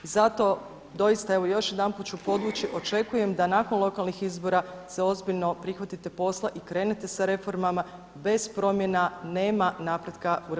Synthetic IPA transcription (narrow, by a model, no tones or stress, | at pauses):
izat̪o̞ | d̪o̞jist̪ae̞ʋo̞jo̞ʃje̞d̪anput̪̚t͡ʃupo̞d̪ʋut͡ɕiʔo̞t͡ʃe̞kuje̞md̪anako̞nlˠo̞kalˠnixizbo̞ɾase̞o̞zbiʎno̞pɾixʋat̪it̪e̞po̞slˠaʔikɾe̞ːne̞t̪e̞saɾe̞fo̞ɾmama | be̞z̥pɾo̞mje̞nane̞ːmanaːpɾe̞d̪kauɾ